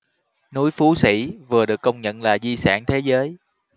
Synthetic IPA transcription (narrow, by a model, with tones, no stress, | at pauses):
nu˨˦jfu˨˦sḭ˧˩˥vɨ˨˩əɗɨ˨˩əkːə˧wŋ͡mɲə̰˧˨nlaː˨˩zi˧sa̰ː˧˩ŋt̪ʰe˨˦zəː˨˦j